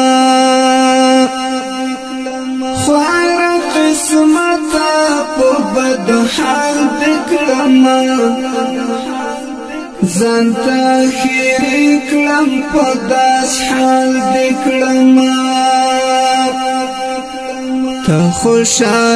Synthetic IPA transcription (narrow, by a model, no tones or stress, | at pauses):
xajɾaqɪsmat̪apəbad̪ahɑld̪ekɽəma | zɑnt̪axeɾikləmpəd̪ɑshɑld̪ekɽəma | t̪axoʃɑ